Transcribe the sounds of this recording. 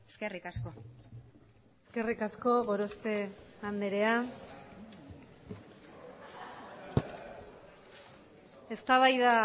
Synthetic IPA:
eskerikasko̞ | eske̞rikasko̞ɣo̞ɾo̞st̪e̞and̪eɾe̞a | e̞st̪aβ̞ajða

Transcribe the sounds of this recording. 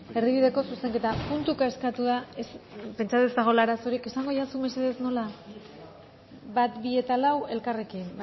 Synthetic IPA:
e̞ɾðiβ̞iðe̞ko̞suse̞ŋke̞t̪apunt̪ukaeskat̪uðaespe̞nt͡ʃat̪est̪aɣ̞o̞laɾaso̞ɾike̞saŋɡo̞ʝasume̞se̞ðe̞sno̞la | bat̪bie̞t̪alawe̞lkare̞kin

